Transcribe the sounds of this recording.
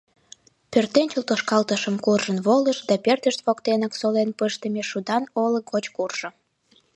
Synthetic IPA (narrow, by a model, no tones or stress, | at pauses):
pʲørt̪ent͡ɕəlt̪oʃkɑlt̪əʃəmkurʒənβoləʃd̪ɑpert̪əʃt̪βokt̪enəksolenpəʃt̪əmʲeʃud̪ɑnoləɡot͡ɕkurʒ̥ŏ